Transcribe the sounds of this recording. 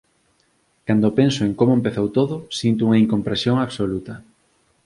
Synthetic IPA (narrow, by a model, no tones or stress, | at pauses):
kand̪opensoeŋkomoempeθowt̪oðʊsint̪ʊuŋaiŋkompɾesjoŋaβsolut̪ɐ